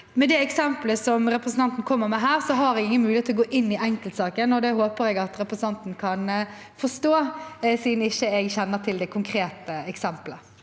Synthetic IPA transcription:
mɛd̪ɛɛksɛmpləsɔmɾɛpɾəsn̩ʰɑnt̪n̩kʰɔmːəʁmɛɦæːʁsɔɦɑɾɛɡɪŋənmʉːɪeːt̪ʰːlɔɡoːʔɪnːɪɛŋkəlt̪sɑːkənɔd̪ɛɦoːpəɾɛɡɑt̪ɾɛpɾəsn̩ɑnt̪n̩kʰɑn | fɔst̪oːsiːd̪nɪçːəɛɡçɛnːəʁt̪ʰɪld̪ɛkʰʊŋkʰɾeːt̪əɛksɛmplə

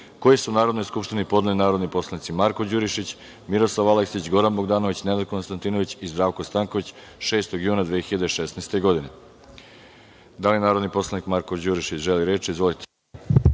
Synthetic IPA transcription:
kojesunaːɾod̪no̞jskupʃt̪inipo̞d̪nelinaːɾo̞d̪nipo̞slˠanit̪simaɾkod͡ʑuɾiʃit͡ɕ | miɾo̞slˠaʋaleksit͡ɕɡo̞ɾanbo̞ɡd̪aːno̞ʋit͡ɕned̪ad̪̚ko̞nst̪ant̪iːno̞ʋit͡ɕizd̪ɾaːʋko̞st̪aŋkoʋit͡ɕ | ʃe̞ːst̪oɡjuːnad̪ʋeːxiʎad̪eʃesnajst̪e̞ɡo̞d̪ine | d̪alienaːɾod̪nipo̞slˠanikmaɾkod͡ʑuɾiʃit͡ɕʒeliɾeːt͡ʃiizʋo̞lit̪ʰe̥

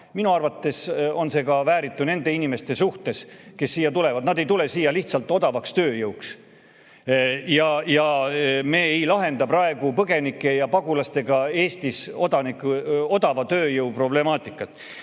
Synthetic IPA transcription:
minuɑrvɑt̪ːe̞so̞nse̞ɡɑvæːɾit̪ˑːune̞nd̪e̞inime̞st̪e̞suht̪e̞ske̞sːiːjːɑt̪ule̞vɑd̪nɑd̪ejt̪ule̞siːjːɑliht̪sɑlt̪ːˑo̞d̪ɑvɑkst̪ø̞ːjɤwks | jɑjɑme̞ːejlɑɦe̞nd̪ɑprɑe̞ɡ̥upɤɡe̞nikːˑe̞jɑpɑɡulɑst̪e̞ɡ̥ɑe̞ːst̪iso̞d̪ɑnikuo̞d̪̥ɑvɑt̪ø̞ːjɤwpro̞ble̞mɑːt̪ˑikːˑɑt̪ːˑ

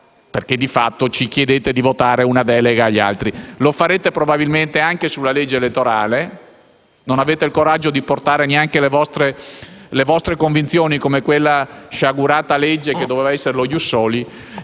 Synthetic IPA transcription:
perked̪ifat̪ːot͡ʃikjed̪eːt̪ed̪ivot̪aːɾeunad̪ɛːleɡaːʎːia̰lt̪ɾilofaɾeːt̪epɾobabilment̪eaŋkesulːaled͡ʒːeːlet̪ːoɾaːle | nonaveːt̪eilkoɾad͡ʒːod̪iport̪aːɾeneaŋkelevɔst̪ɾelevɔst̪ɾekoɱvint̪sjoːnikomekwelːaʃaɡuɾaːt̪aled͡ʒːek̟ed̪ːoveːvaɛsːeɾelojusːoːli

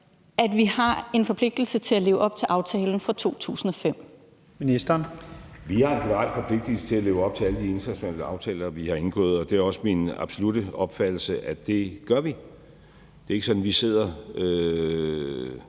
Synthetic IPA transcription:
ʔæd̥ʋihɑ̈e̝nfɒ̽pʰle̝ɡ̥̚d̥l̩sət͡sʰe̝læleːʊʔɒ̽b̥̚t͡sʰe̝lʔɑ̈ʊt͡sʰɛːln̩fʁɑ̈t͡sʰo̝̰ːt͡sʰṵːsn̩ɒ̽fem̰ | minisd̥ɐnʋihɑ̈enɡ̥ʰunəʁɑ̈d̥fɒ̽pʰle̝ɡ̥d̥əl̩sə̥t͡sʰe̝læle̝ːʊɒ̽b̥̚t͡sʰe̝æləd̥ie̝nt͡sʰɐnæɕo̝nɛ̰ːləɑ̈ʊt͡sʰɛ̰ːlɐʋihɑ̈e̝nɡ̥ɔ̰ːð̩ˠɒ̽d̥e̝æɐɒ̽səminɑ̈b̥so̝lud̥əɒ̽b̥fæd̥l̩səʔæd̥e̝ɡ̥ɶɐʋi | d̥e̝ɐe̝ɡ̥sɒ̽d̥n̩ʋise̝ð̞̰ˠɐø

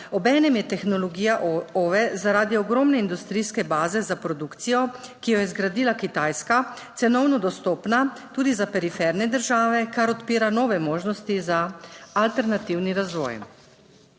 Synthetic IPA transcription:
ɔbɛːnɛmjɛt̪ɛxnɔlɔɡiːjaʔoʋɛzaɾaːd̪iɔɡɾɔːmnɛind̪ust̪ɾiːskɛbaːzɛzapɾɔd̪ukt̪sijɔkijɔjɛzɡɾad̪iːlakit̪aːjskat̪sɛnɔwnɔd̪ɔst̪ɔːpnat̪uːd̪izapɛɾifɛɾnɛd̪əɾʒaːʋɛkaɾɔt̪piːɾanɔːʋɛmoːʒnɔst̪izaalt̪ɛɾnat̪iwniɾazʋɔ̰j

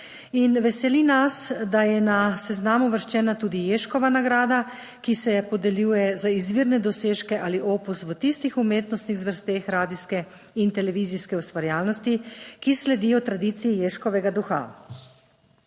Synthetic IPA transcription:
inʋɛsɛlinasd̪ajɛnasɛznaːmuʋəɾʃt͡ʃɛːnat̪uːd̪ijeːʃkɔʋanaɡɾaːd̪a | kisɛpɔd̪ɛljuːjɛzaizʋiːɾnɛd̪ɔseːʃkɛʔaːliʔoːpusʋət̪ist̪ixumeːt̪nɔst̪niɣzʋəɾst̪eːxɾaːd̪iskɛ | int̪ɛlɛʋiziskɛust̪ʋaɾjaːlnɔst̪ikislɛd̪ijɔt̪ɾad̪it̪sijijeʃkɔʋɛɡad̪uxa̰

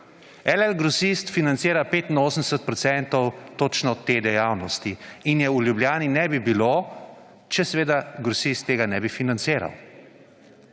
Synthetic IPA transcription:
ɛlɛlɡɾɔsist̪finant̪seːɾapeːt̪inoːsnd̪ɛsɛt̪̚pɾɔt̪sɛnt̪ɔwt̪ot͡ʃnɔt̪eːd̪ɛjawnɔst̪iinjɛulʲjubljaːninɛbibilo | t͡ʃɛsɛʋeːd̪aɡɾusist̪ːeːɡanɛbifinant̪seːɾa̰w

